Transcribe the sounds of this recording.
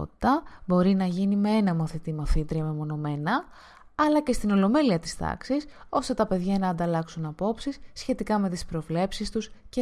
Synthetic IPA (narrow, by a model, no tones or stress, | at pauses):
t̪i̥t̪ɐbo̞ɾinɐʝinime̞e̞nɐmoθit̪imoθit̪ɾiɐmemo̞no̞me̞nɐ | ɐlɐce̞st̪ino̞lo̞me̞liɐt̪i̥st̪ɐ̰ksis | o̞st̪e̞t̪ɐpe̞ðʝɐnɐːnd̪ɐlɐksunɐpo̞psisçe̞t̪ikɐme̞t̪ispɾo̞vle̞psist̪usce